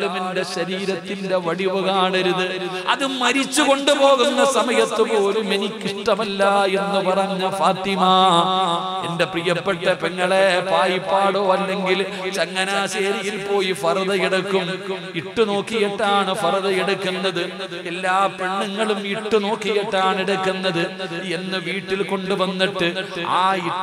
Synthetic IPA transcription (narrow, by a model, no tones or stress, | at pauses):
ɭumende̞ɕɐɾiːɾɐt̪ːinde̞ʋɐɽiʋɐɣaːɳɐɾuðɨ | ɐ̰ðɨmɐɾit͡ɕːuko̞ɳɖupo̞ːɣunːɐsɐmɐjɐt̪ːɨpo̞ːlumenikʲːiʂʈɐmɐlːɐe̞nːupɐrɐɲːɐfaːt̪ima | ende̞prijɐpːeʈːɐpeŋːɐɭepaːjipːaːɽoːɐlːe̞ŋɡil | t͡ɕɐŋːɐnaːɕeːɾijilpo̞ːjifɐrɐðɐjiɽukːum | iʈːuno̞ːkːijiʈːaːɳɨfɐrɐðɐeɽukːunːɐðɨ | elːaːpeɳːɐŋːɐɭumiʈːuno̞ːkːijiʈːaːɳeɽukːunːɐðɨenːɐʋiːʈːilko̞ɳɖuʋɐnːiʈːɨaːi